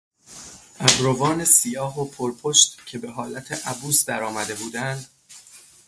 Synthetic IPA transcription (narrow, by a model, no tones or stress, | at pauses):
ʔæzɾovɒːne̞sijɒːɦopʰoɾpʰoʃt̪cʰe̞be̞ɦɒːlæt̪ʰeʔæbuːsd̪æɾɒːmæd̪e̞buːd̪ænd̪̥